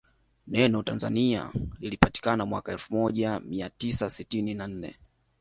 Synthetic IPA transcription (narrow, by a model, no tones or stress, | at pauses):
nɛnɔtanza̰nia̰lilipati̥kanamwakaɛlfumɔʄamiatisasitininan̩nɛ̰